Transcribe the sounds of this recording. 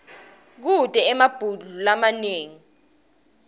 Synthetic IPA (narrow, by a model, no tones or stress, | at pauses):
k̬utʼɛɛmab̥ʱuɮulamaneːŋi